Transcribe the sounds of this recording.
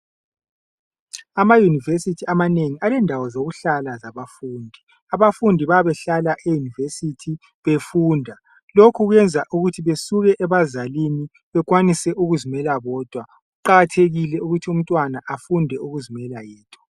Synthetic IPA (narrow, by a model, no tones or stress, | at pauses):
amajunivesitʰiamaneŋialɛndʱawɔzoɣuɬalazaβafuːndʱi | aβafundʱiβaβɛɬalaʔejunivesitʰi | βefuːndʱa | lokʰuɣwɛnd͡zʱaʔuɣutʰiβesuɣɛʔɛβazalini | βɛɣʼwanisɛʔuɣuzimɛlaβɔːd̥ʱwa | ɣuǃaɣatʰeɣilɛuɣutʰium̩tʼwanaʔafundʱɛuɣuzimɛlajɛːtʰɔ̥